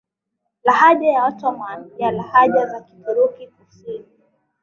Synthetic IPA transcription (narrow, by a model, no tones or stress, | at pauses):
lahaʄajawatɔmanjalahaʄazaki̥tuɾukikusini